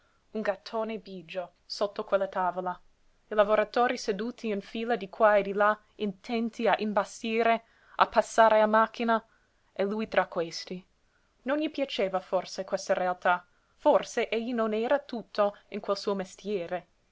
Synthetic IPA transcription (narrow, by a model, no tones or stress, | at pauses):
unɡat̪ʰːoːnebid͡ʒo | sot̪ːokwelːat̪aːvola | ilavoɾat̪oːɾised̪uːt̪ʰiːnfiːlad̪ikʰwaed̪ila | int̪ʰɛnt̪iaʔimbasiːɾe | a̰pːasːaːɾeamak̟ːina | eluːjt̪ɾʔakːwest̪i | nonjipjat͡ʃeːvaforsekwest̪aɾealt̪a | forseʔeʎːinonɛːɾat̪ut̪ʰːoinkwelsuːomest̪jɛːɾe